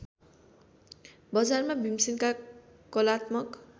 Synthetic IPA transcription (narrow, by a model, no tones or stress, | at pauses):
bʌd͡zarmabʱimsinka | kʌlat̪mʌk